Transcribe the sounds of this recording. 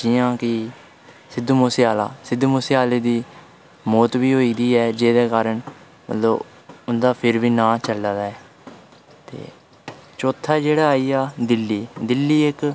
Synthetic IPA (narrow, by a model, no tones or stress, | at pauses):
d͡ʒɪːãːkɪ | sɪd̪moːsɪjaːla̰ːsɪd̪moːsɪaːleːd̪iː | mɔːt̪biːɦoːiːd̪iːɛːd͡ʒeːd̪ɛːkaːɾəɳ | mə̰t̪ləb | ʊnd̪aːpʰɪɾʋiːnãːt͡ʃəlːaːd̪aːɛː | t̪ḛː | t͡ʃoːt̪ʰːaːd͡ʒeːɽaːaːiːaːd̪ɪlːiːd̪ɪlːiːɪk